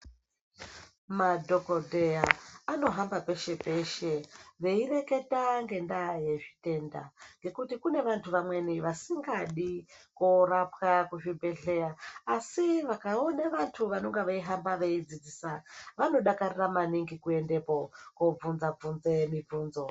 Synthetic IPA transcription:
madʱo̞ko̞dʱe̞jaːno̞ɦambape̞ʃe̞pe̞ʃe̞ʋe̞ire̞ke̞taŋɡe̞ndaje̞ʐite̞nda̰ŋɡe̞kutikune̞ʋantʰuʋamwe̞niʋasiŋɡaɗiko̞rapkakuʐibʱe̞ɮe̞ɾaːsiʋakaoneʋantʰuʋano̞ŋɡeʋaiɦambaʋe̞id͡zid͡zisaʋano̞ɗakariramaniŋɡikue̞nde̞po̞kob͡vunzab͡vunzemib͡vuːnzo̞

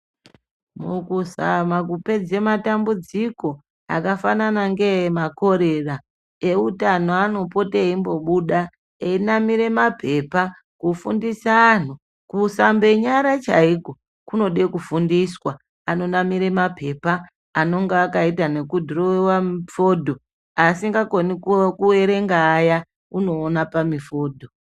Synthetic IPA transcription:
mukusamakupe̞d͡ze̞matambud͡ziko̞ | a̰kafananaŋɡemako̞ɾe̞ra | e̞utano̞ano̞po̞teimbo̞ɓuːɗa | einamiɾe̞mapʰe̞pa | kufundisaːn̤u | kusambe̞ɲaɾat͡ʃaiko | kuno̞ɗe̞kufundiswa | ano̞namiɾemapʰe̞paː | no̞ŋɡeakaitane̞kudʱiroewamfo̞ːdʱo̞ | asiŋɡakonikkue̞ɾe̞ŋɡaːja | uno̞ːnapamifo̞ːdʱo̞

